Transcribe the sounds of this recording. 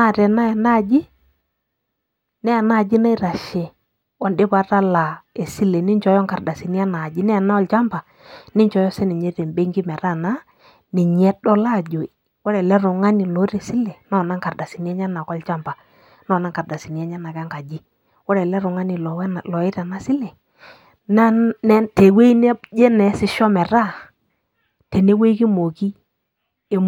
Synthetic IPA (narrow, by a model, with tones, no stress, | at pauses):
na˦˨ɾɛ˨na˦ɛ˨na˦˨d͡ʒi˦ | nɛ˦a˨na˦˨d͡ʒi˦na˦i˦ɾa˨ʃɛ˦ | wɔ˦ndɪ˦ba˨ta˦la˨e˨si˦le˨ni˦nt͡ʃɔ˨˦jɔ˦ŋka˨ɾda˨si˨ni˦a˦na˨d͡ʒi˦nɛ˦a˨na˦ɔ˦lt͡ʃa˦mpa˨ | nɪ˦ɲt͡ʃɔ˨jɔ˦sɛ˦nɛ˨ɲe˦te˨mbe˦ŋɡi˦mɛ˨ɾa˦na˦ | nɛ˨ɲ˨ɛ˦dɔ˦la˦˨d͡ʒo˨ | wɔ˦ɾɛ˨lɛ˦ɾʊ˨ŋa˦ni˨lɔ˨˦ɾe˨si˦lɛ˨nɔ˦˨na˦ŋka˨da˨si˨n˨˦ɛ˦ɲa˦na˨kɔ˦lt͡ʃa˦mba˨ | nɔ˦˨na˦ŋka˨da˨si˨n˨ɛ˦ɲa˦na˨kɛ˦ŋka˨d͡ʒi˦ | wɔ˦ɾɛ˨lɛ˦ɾʊ˨ŋa˦ni˨lɔ˨wlɔ˨ɪ˦ta˨na˦sɪ˦lɛ˨ | na˦nɛ˦te˨we˦i˦nɛ˦d͡ʒɛ˦nɛ˨˦sɪ˦ʃɔ˦mɛ˨ɾa˦˨ | te˨ne˦we˦ki˦mo˨ki˦ | e˨